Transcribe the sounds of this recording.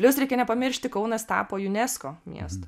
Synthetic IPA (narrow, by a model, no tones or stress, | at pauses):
pʲlʲʊsɾʲɛɪkʲɛnʲɛpɐmʲɪɾʲʃʲt̪ʲɪkɒʊnɐst̪ɑ̰ːpoːjʊnʲɛskoːmʲḭɛst̪o